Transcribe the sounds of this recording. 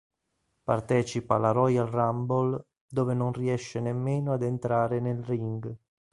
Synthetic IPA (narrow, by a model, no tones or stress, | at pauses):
part̪ɛːt͡ʃipalaɾɔjalrambol | d̪oːvenonriɛʃːenemːeːnoad̪ent̪ɾaːɾenelriŋɡ